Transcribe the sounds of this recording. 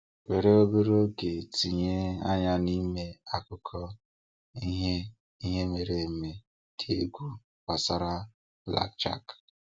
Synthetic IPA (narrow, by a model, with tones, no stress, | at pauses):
we˨ɾe˦o˦be˦ɾo˦ke˨ti˨ɲe˦a˦ɲa˦ni˦me˦a˦kʊ˦kʰɔ˦ | ɦ | i˦ɦe˦me˨ɾe˨me˨ | kʰe˦e˦ɡʷu˦ | ka˨sa˦ɾa˦ | la̰˨k̚t͡ʃa̰˦k